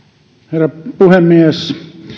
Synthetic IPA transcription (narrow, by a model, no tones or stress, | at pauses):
herːɑpuhemːies